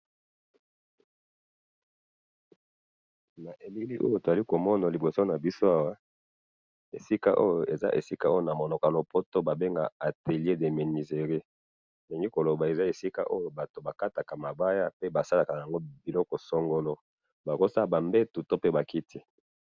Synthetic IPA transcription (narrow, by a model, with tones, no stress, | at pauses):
na˨ʔe˨li˦li˦ʔo̰˦jo˦˨to˨za˨li˦ko˨mɔ˦na˨li˨bo˨so˦na˨bi˦so˦a˦wa˦ | ḛ˨si˦ka̰˦ʔo˦jo˨ʔe˨za̰˦ʔḛ˨si˦ka˦o˦jo˦na˨mo˨nɔ˨ka˨lo˨po˦to˦ba˨be˦ŋɡa̰˨a˨te˨li˦e˦de˨me˨ni˨ze˨ʁe˦ | le˨ŋɡi˦ko˨lo˨ba˨e˨za˦e˨si˦ka̰˦ʔo˦jo˨ba˨to˨ba˨ka˦ta˨ka˨ma˨ba˦ja˦pe˦ba˨sa˦la˨ka˨ja˨ŋɡo˦bi˨lɔ˦kɔ˨sɔ˦ŋɡo˦lɔ˦ | ba˨ko˦sa˦˨ba˨mbe˦tu˨to˦pe˦ba˨ki˦tʰi˦